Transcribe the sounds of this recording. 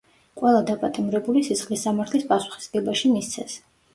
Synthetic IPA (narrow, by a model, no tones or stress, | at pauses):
qʼwɛlˠad̪apʼat̪ʼimɾɛbulisisχlisːamaɾt̪ʰlispʼasu̥χi̥sɡɛbaʃimist̪sʰɛs